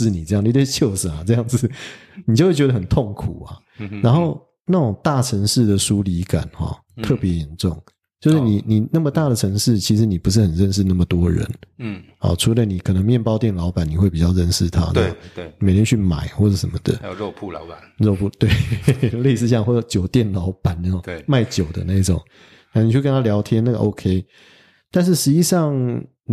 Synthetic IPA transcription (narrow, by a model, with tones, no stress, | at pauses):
ʂ̩˥˨ni˨˩ʈ͡ʂɤ˥˧jni˨˩t̪we˥˩ɕjo˥˩ʊʂə˨˩na˨˩ʈ͡ʂɤ˥˧jɑ˥˩ŋd͡z̩˨˩ni˨˩t͡ɕjo˥˧we˥˩t͡ɕɥɛ˧d̪ə˧xə˨˩nt̪ʰo˥˩ŋkʰu˨˩ɐ̰˦ | ɻa˧˥nxo˥˩ʊ | na˥˩ʈ͡ʂʊ˨˩ŋt̪a˥˩ʈ͡ʂʰə˧˥ŋʂɻ̩˥˩d̪ə˩ʂu˥˦li˧˥ka̰˨˩nxɔ̰˨˦ | t̪ʰɤ˥˩pjɛ˧˥jɛ˧˦nʈ͡ʂʊ˥˨˩ŋ | t͡ɕjo˥˧ʊʂ̩˥˩ni˨˩ni˨˩na˥˩mə˩t̪a˥˩d̪ə˩ʈ͡ʂʰɤ˧˥ŋʂɻ̩˥˩t͡ɕʰi˧˥ʂɻ̩˧˥ni˨˩pu˧˦˥ʂ̬̩˥˩xə˨˩nɻə˥˧nʂ̬̩˥˧na˥˩mə˩t̪wɔ˥ɻə̰˧˦n | ɔ̰˨˩ʈ͡ʂʰu˧˥lə˧ni˨˩kʰɤ˨˩nə˧˦ŋmjɛ˥˨˩npɑ˥˧ʊt̪jɛ˥˩nlɑ˧˥ʊpa˨˩ni˨˩xwe˥˩ɪpi˨t͡ɕɑ˥˩ʊɻə˥˧nʂɻ̩˥˩t̪ʰa̰˦nə̰˥˩˨ni˨me˨ɪt̪ʰjɛ˥nt͡ɕʰy˥˩ma̰˨˩ɪxwɔ˥˩ʈ͡ʂɤ˨˩ʂə˧˦nmə˨d̪ə̰˨˩˧pʰɻo˥˧ʊpʰu˥˩t̪we˥˩ɪle˥˧ɪsɹ̩˥˧˩ɕjɑ˥˧ŋxwɔ˥˩ə˧˥t͡ɕjo˨˩ʊt̪jɛ˥˩nlɑ˧˥ʊpa˨˩˦nnə˧˥o˨˧ma˥˩ɪt͡ɕjo˨˩ʊd̪ə̰˦na˥˩i˥ʈ͡ʂʊ̰˨˩˦ŋ | na˧˥ni˨˩t͡ɕʰo˥˧kə˦nʰa˥ljɑ˧˥ʊt̪ʰjɛ˥na˥˩ɡə˩ʔo˦ʊkʰe˥ɪ | t̪a˥˧nʂ̬ɻ̩˥˩ʂɻ̩˧˥t͡ɕi˥˧ʂɑ˥˩ŋ